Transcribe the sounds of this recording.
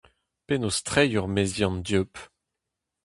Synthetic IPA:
penost̪χɛjɔʁmezjɑ̃nd̪jøp

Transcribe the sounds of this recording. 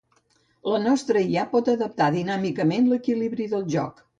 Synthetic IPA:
lənɔst̪ɾəiapɔt̪əðəp̚t̪aðinamikəmenləkiliβɾiðəlˠʒɔ̰k

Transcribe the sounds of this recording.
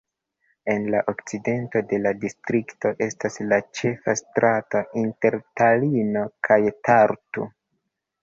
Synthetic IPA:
e̞nlaʔokt͡side̞nto̞de̞ladistɾikto̞ʔe̞staslat͡ʃe̞fastɾato̞ʔinte̞ɾtalino̞kʰajtaɾtṵ

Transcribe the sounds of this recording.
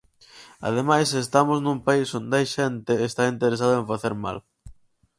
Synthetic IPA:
a̰ðemajsest̪amoznũmpaisond̪ajʃent̪eːst̪aint̪eɾes̬aðʊẽɱfaθeɾma̰l

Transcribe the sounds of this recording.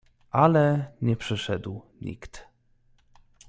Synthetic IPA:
ʔalɛɲɛpʂɘʂɛd̪w | ɲḭkt̪

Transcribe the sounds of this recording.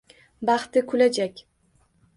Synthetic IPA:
bɑχt̪ɪkʰʊlad͡ʒakʲ

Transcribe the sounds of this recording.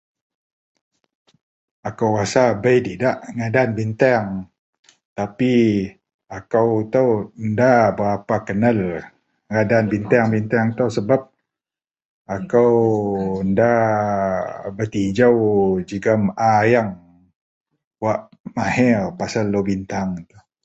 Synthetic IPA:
akawrasabəjt̪idaʔŋadanbint̪aaŋ | t̪api | akawt̪awəndabəɾapakənal | ŋadanbint̪aaŋbint̪aŋt̪awsəbap̚ | akawənda | bət̪id͡ʒawd͡ʒiɡamajaŋ | waʔ | mahɛrpasalːobint̪aŋt̪u

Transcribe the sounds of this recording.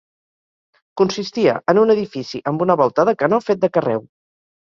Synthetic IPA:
kunsist̪iə̰ʔənunəðifisiʔəmbunəβɔlˠt̪əðəkənofet̪̚d̪əkərɛ̰w

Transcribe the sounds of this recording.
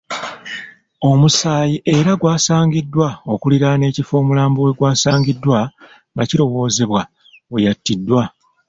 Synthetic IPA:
o̞musaːjiʔe̞ɾaɡwaːsaːŋɟidːwao̞kuliɾane̞ːcifo̞ːmulaːmbowe̞ɡwaːsaːŋɡidːwa | ŋɡaciɾo̞wo̞ːze̞βwa | wejatːidːwa

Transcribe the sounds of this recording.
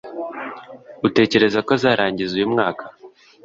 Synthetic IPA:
ute̞ːce̞ɾe̞zako̞zaːɾaːɲɟizujumŋaːkʰḁ

